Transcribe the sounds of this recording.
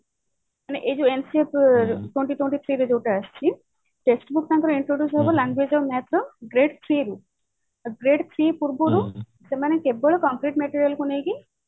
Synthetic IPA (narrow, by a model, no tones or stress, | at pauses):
maneʔed͡ʒuensiepʈweɳʈiʈweɳʈit̪ʰɾiɾed͡ʒowʈaːst͡ʃʰi | ʈesʈbuk̚t̪ʰãŋk̪ɾɔiɳʈɾoɖjusɦɔbɔlaŋɡwed͡ʒɔmɛt̪ɾɔɡɾeɖt̪ʰɾiɾu | ɡɾeɖt̪ʰɾipuɾbuɾu | semanekebɔɭɔkɔmkɾiʈmeʈiɾijalkunejɡi